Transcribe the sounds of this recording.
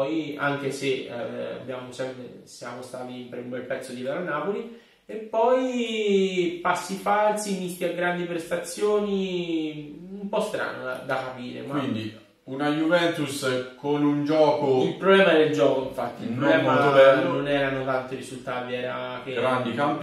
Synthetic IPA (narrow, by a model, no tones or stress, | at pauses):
ɔja̰ŋk̟esea̰bːjaːmosɛmpɾesja̰ːmost̪aːt̪impɾeumbɛlpɛt̪sːod̪ileɾanːaːpoli | epːɔj | pasːifalsimist̪iaɡɾand̪ipɾest̪at̪sːjoːni | umpɔst̪ɾa̰ːnoa̰d̪akapiːɾḛmawind̪i | unajuvɛnt̪uskonund͡ʒɔːkoilpɾoblɛːmaɛd̪eld͡ʒɔːkoiɱfat̪ːiilpɾoblɛːmad̪oɛːnonɛːɾanot̪ant̪iɾizult̪aːt̪iɛːɾakeɡɾand̪ikamp